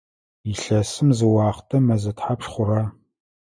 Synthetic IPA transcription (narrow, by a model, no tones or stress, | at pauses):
iɬɐsɨmzɨwɑːχtʰɐmɐzɨtħapʂχʷʊɾa